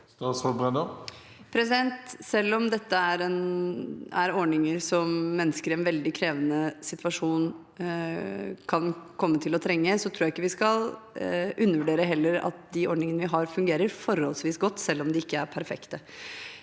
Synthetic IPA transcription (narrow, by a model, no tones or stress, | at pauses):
st̪ɑsfɔbʁɛnd̪ɔ | pʰɾɛsɪd̪ɛnt̪sɛlːɔmd̪ɛt̪ːəæɾɛn | æɾɔɳɪŋəɾsɔmːɛnːəskəɾɪɛnʋɛld̪ɪkʰɾeːʋənəsɪt̪ʋɑʂuːn | kʰɑnkʰɔmːət̪ʰɪlɔt̪ʰɾɛŋːəsɔt̪ʰɾuːjæɪkːəʋɪskɑl | ʔʉnːəʋʉɖeːɾəɦɛlːəɾɑ̰t̪̚d̪ɪɔɳɪŋənəʋɪɦɑɾfʉŋɡeːɾəɾfɔɾhɔlsʋiːsɡɔt̪ːsɛlːɔmd̪ɪɪkːəæɾpʰæɾfɛ̰kt̪ə